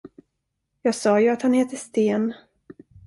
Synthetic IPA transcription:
jɑːɡsɑːjɵat̪hanheːt̪əst̪eːn

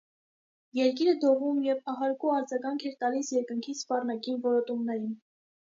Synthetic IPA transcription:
jɛɾk̬iɾəd̪ɔʁumjɛvɑɦɑɾkuɑɾd͡zɑɡɑŋkʰɛɾt̪ɑlisjɛɾkəŋkʰispɑrnɑkinvɔɾɔt̪umnɛɾin

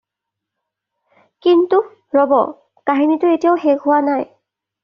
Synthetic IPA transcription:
kintu | ɹɔbɔ̰ | kaɦinitʊetijaʊxeɡɦʊwanaj

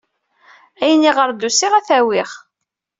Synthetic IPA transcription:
æjənːiʁəɾd̪usiʁæθæwiʁ

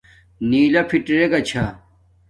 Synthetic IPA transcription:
niːlɐpʰiʈɾeɡɐt͡ɕʰa

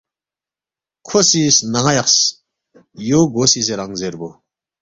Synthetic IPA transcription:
kʰosisnaŋajaqs | joɡosiseɾaŋzeɾbo

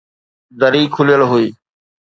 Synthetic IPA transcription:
d̪əɾiːkʰʊlɪjəlɦʊiː

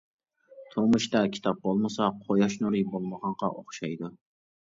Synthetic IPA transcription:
t̪ʰomʊʃt̪ɑkʲʰi̥t̪ʰɑp̚bolˠmɨsɑqʰojɑʃnuɾɪbolˠmɑʁɑɴqɑ̰ʔoχʃɑjd̪ʊ

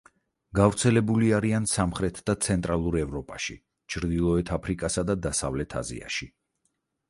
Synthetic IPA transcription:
ɡavɾt̪sʰɛlɛbuliaɾiansamχɾɛt̪ʰd̪at̪sʰɛnt̪ʼɾalˠuɾɛvɾɔpʼaʃi | t͡ʃʰɾd̪ilˠɔɛt̪ʰapʰɾikʼasad̪ad̪asavlɛt̪ʰa̰zḭa̰ʃi

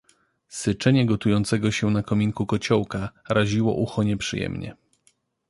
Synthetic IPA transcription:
sɘt͡ʂɛɲɛɡɔt̪ujɔnt̪sɛɡɔɕɛnakɔmʲiŋkukɔt͡ɕɔwkaɾaʑiwɔ̰ʔuxɔɲɛpʂɘjɛ̰mɲɛ̰

